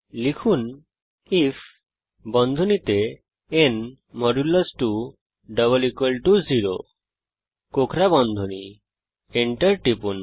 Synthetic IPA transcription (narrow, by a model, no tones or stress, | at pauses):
likʰun | ipʰ | bɔnd̪ʱunit̪e | en | mɔɾuləsʈu | ɖʌβəlikwelʈuziɾo̰ | kokʰɾabɔnd̪ʱuni | eɳʈəɾʈipun